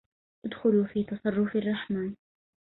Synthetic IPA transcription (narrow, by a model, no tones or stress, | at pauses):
ʔad̪xʊlufiːt̪ɑsˤɑrˤːʊfɪrˤːɑħmaːn